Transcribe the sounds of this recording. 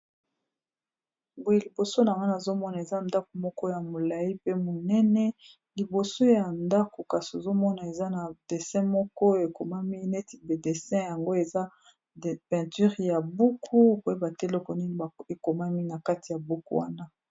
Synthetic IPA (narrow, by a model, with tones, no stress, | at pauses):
bo˨je˨li˨bo˨so˦na˨ŋa˦na˨zo˦mɔ˦na˨e˨za˦nda˦ko˨mɔ˦kɔ˦ja˨mo˨la˨ji˦pe˦mo˨nɛ˦nɛ˦ | li˨bo˨so˦ja˨nda˦ko˨ka˨so˨zo˦mɔ˦na˨e˨za˦na˨d̥e˨sɛ̃˦mɔ˦kɔ˦e˨ko˨ma˦mi˦ne˦ti˨be˨de˨sɛ̃˦ja˨ŋɡo˦e˨za˦˨ | pɛ̃˨ty˦ʁja˨bu˦kʰu˦ko˨e˦ba˨te˦lo˦kɔ˨ni˦ni˨a˨e˨ko˨ma˦mi˦na˨ka˦ti˨ja˨bu˦kṵ˦wa̰˦na˦